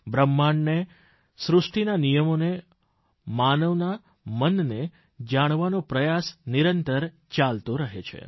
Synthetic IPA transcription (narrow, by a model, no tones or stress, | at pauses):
bɾəmːaɳne | sɾʊsʈinanijəmone | manəʋna | mənːe | d͡ʒaɽ̃ʋanopɾəjasniɾənt̪əɾ | t͡ʃalt̪õɾəɦet͡ʃʰḛ